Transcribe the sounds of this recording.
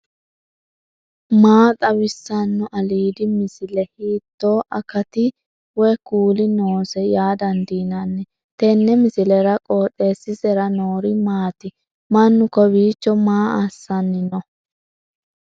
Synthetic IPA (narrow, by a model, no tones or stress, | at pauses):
maːt̪ʼɐwɪsːɐnːʊʔɐliːd̪ɪmɪsɪlɛhiːt̪ːoːʔɐkɐt̪ɪ | wɛkuːlɪnoːsɛjaːd̪ɐnd̪iːnɐnːɛ | t̪ɛnːɛmɪsɪlɛɾɐkʼoːt̪ʼːe̞ːsɪsɛɾɐnoːɾɪmaːt̪ɪ | mɐnːʊkɔbiːt͡ʃːɔmaːasːɐnːɪnɔ